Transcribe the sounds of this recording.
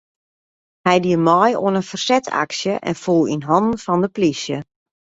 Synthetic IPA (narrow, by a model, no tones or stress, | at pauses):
hɛjdiəmɔjo̰ənənfərsɛtʰa̰ksjəʔɛ̰nfulˠḭnɦɔndn̩fɔndəplisjə